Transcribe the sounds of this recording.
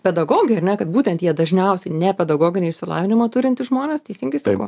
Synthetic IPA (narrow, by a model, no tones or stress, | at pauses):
pʲɛd̪ɐɡoːɡʲɪjɛɐrnʲɛkɐt̪̚buːt̪ʲɛnt̪jiɛd̪ɐʒʲnʲɛʊsʲɛɪnʲɛpʲɛd̪ɐɡoːɡʲɪnʲeːɪʃʲsʲɪlˠɑ̰ːʋʲɪnʲɪmɐt̪ʊɾʲɪnʲt̪ʲɪʒmoːnʲeːst̪ʲɛsʲiŋɡɐɪsɑkoː